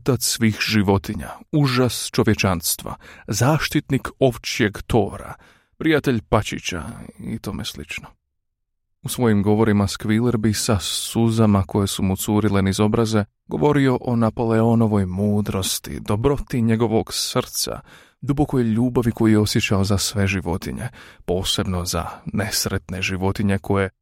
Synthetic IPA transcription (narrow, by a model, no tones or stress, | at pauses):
ot̪at̪ssʋiːxʒiʋo̞t̪iɲa̰uʒast͡ʃo̞ʋje̞t͡ʃanst̪ʋa̰zaːʃt̪it̪niko̞ʋt͡ɕije̞ɡt̪o̞ːɾa̰ | pɾijat̪e̞ʎpat͡ɕḭt͡ɕa̰ḭt̪o̞ːmeslḭt͡ʃno | usʋo̞jimɡo̞ʋo̞ɾimaskʋileɾbisasuzamako̞je̞sumut̪suːɾile̞nizo̞bɾaze̞ | ɡ̥o̞̰ʋo̞ɾio̞ʔo̞napo̞leo̞no̞ʋo̞jmuːd̪ɾo̞st̪ḭd̪o̞bɾo̞t̪iɲe̞ɡo̞ʋo̞ɡsr̩t̪sa̰ | d̪ubo̞ko̞jʎuːbaʋiko̞jijeo̞sje̞t͡ɕao̞zasʋe̞ʒiʋo̞t̪ḭɲe̞̰po̞ːse̞bno̞za̰ne̞sɾe̞t̪ne̞ʒiʋo̞t̪iɲe̞kʰo̞je̞